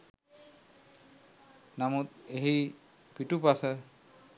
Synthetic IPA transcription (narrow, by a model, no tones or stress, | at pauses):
namut̪̚eɦi | pitupasɛ